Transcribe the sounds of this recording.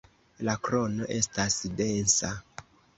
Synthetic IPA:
lakɾo̞no̞ʔe̞stasde̞nsa

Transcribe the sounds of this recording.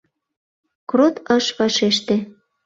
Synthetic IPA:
krot̪əʃβɑʃeʃt̪ĕ

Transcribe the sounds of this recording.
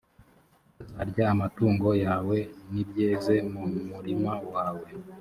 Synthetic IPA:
a̰ɾɟaːmatuːŋɡo̞jaːwe̞nibjeːze̞mumuɾimawaːwe̞

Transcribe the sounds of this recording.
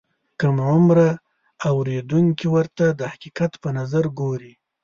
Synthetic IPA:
kamʕʊmɾaː | wɾed̪uŋkiwəɾt̪ad̪əhaqiqat̪pənazaɾɡoɾi

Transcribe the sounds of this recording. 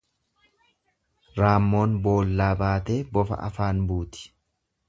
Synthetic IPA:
ɾaːmːo̞ːnbo̞ːlːaːbaːt̪e̞ːbɔfɐ̰ʔɐ̰faːnbuːt̪ɪ̥

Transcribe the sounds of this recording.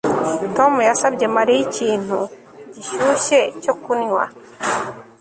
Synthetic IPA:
tomujasabɟe̞maɾijiciːn̥hu | ɟiʃuːʃecokunɲwa̰

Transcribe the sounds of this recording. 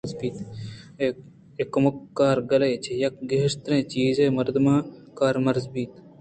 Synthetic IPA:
zbiːt̪ː | ekːɐməkːaːɾɡɐleːt͡ʃʰejɐk̚ɡeːɪʂt̪əɾẽːt͡ʃiːzẽːmɐɾd̪mãːkaːɾmɐɾzbiːt̪

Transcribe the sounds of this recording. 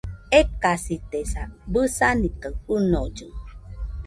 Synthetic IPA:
ekasit̪esabɨsanit̪əunod͡ʒuŋ

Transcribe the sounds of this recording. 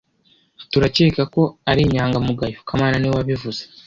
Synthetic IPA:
tuɾaceːkako̞aɾiːɲaːŋɡamuɡajokʰamaːnaniwaβivuz̥e̥

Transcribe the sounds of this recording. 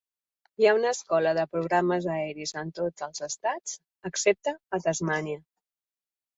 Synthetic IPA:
jaunəːskɔləðəpɾuɣɾaməzəɛɾizənt̪od͡zəlˠzəst̪ad͡z | əksep̚t̪əːt̪əzmaniə

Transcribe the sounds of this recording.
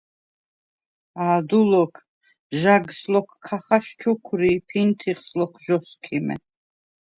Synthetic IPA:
aːd̪ulɔkʰ | ʒaɡslɔkʰkʰːaχaʃt͡ʃʰɔkʰɾipʰint̪ʰiχslɔkʰʒɔskʰimɛ̰

